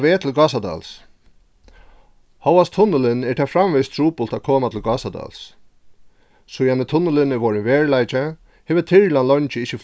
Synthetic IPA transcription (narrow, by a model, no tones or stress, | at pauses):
ʋɛːt̪ʰɪlɡaːsad̪a̰ls | hɔwast̪ʰʊnːʊlɪnɛt̪ʰɛːfɾamʋɪst̪ʰɾuːpʊlt̪akʰoːmat̪ʰɪlɡasad̪a̰ls | sʊjanɪt̪ʰʊnʊlɪnɛʋɔɹɪnvɛːɹlajt͡ʃɪ | hɛːvɪt̪ʰɪɻlanlɔɲt͡ʃɪɪht͡ʃːɪf